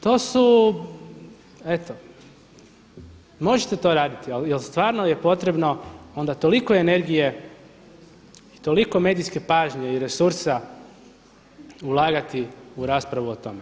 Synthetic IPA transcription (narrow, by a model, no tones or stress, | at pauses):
t̪oːsu | e̞t̪o̞ | mo̞ʒet̪e̞t̪o̞ːɾaːd̪it̪ialjelst̪ʋaːɾnoje̞po̞t̪ɾe̞bno̞o̞nd̪at̪o̞likoe̞ne̞ɾɡije̞ | it̪o̞liko̞me̞ːd̪iske̞paːʒɲeiɾe̞suɾsa | ulˠaːɡat̪iuɾaːspɾaʋuot̪ome